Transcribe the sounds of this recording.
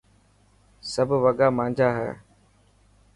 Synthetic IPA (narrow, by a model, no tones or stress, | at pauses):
səbʱʋəɠaːmãːɲd͡ʒaːɦɛ̰ː